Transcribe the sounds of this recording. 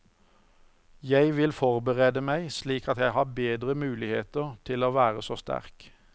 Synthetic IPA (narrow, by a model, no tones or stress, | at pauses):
jæɪʋɪlfɔʁbəʁeːd̪əmæɪsliːkɑt̪jæɪhɑːbeːd̪ʁəmʉːlɪheːt̪əʁt̪ʰɪloːʋæːʁəsoːst̪æ̰ʁk